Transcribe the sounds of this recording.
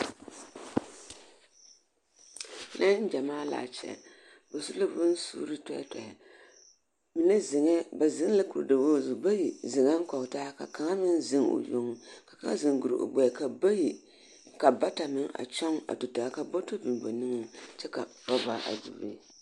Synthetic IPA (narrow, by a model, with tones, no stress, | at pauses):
na˦n̩˦d͡ʒa˨maː˦la̰ː˨t͡ʃɛ̰˨ | bo˨su˦la˦bʊ˦n˦sṵː˦ɾɨ˦ta̰˦ta˨a˨ | mi˨nɨ˦zɪ˨ŋɛ˦ba˨zɨ˦ŋ˦la˦kṵ˨da˨bo˦zu˨ba˦ji˨zɪ˨ŋa˦ŋ˦kɔ˨kta˦ka̰˨ka˨ŋa˦mɨ˦n˦zɪ˦ŋo̰˨jo̰˨˦ŋ˦ka˨ka˨ŋa̰˦zɨ˨ŋɡu˨ɾɨ˨ʔo̰˨ɡ͡bɛ˨ka˨ba˦ji˨ | ka˨ba˦ta˨mɪ˦ŋa̰˨t͡ʃa˦ŋa̰˨tu˨ta˨ka˨bo˦to˦bɨ˨m˨bo˨nɨ˦ŋɨ˨t͡ʃɛ˦ka˨tɔ˦ba̰˦ʔa̰˨dṵ˨bḛ˦